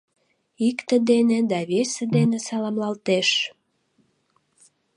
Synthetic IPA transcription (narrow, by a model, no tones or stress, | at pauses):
ikt̪ə̆d̪ened̪ɑβesed̪enesɑlɑmlɑlt̪eʃ